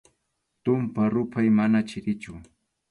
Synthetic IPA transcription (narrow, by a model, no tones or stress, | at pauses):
t̪ʊmpaɾʊpʰajmanat͡ʃɪɾɪt͡ʃʊ